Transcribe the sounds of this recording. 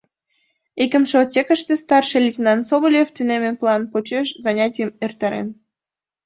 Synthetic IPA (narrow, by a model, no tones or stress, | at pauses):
ikə̆mʃeot͡sʲekə̆ʃt̪est̪ɑrʃelʲitʲinɑnsoβolʲeft̪ynemeplˠɑnpot͡ɕeʃzɑnʲɑtʲijəmert̪ɑɾḛn